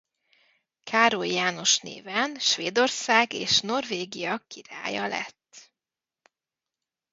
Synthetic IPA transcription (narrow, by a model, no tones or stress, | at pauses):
kʰaːɾojjaːno̞ʃnḛːvɛnʃʋveːd̪o̞rsaːɡeːʃno̞rveːɡijɒkiɾa̰ːjɒlɛ̰t̪ː